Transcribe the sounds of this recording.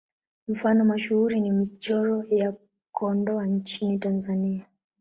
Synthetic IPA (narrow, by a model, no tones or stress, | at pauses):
m̩fanɔmaʃuhuɾinimit͡ʃɔɾɔja | kɔndɔaɲt͡ʃinitanzania